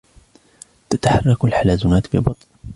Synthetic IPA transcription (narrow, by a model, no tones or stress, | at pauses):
t̪at̪aħɑrˤːɑkalħalaːzʊnaːt̪bɪbɑt̪ˤl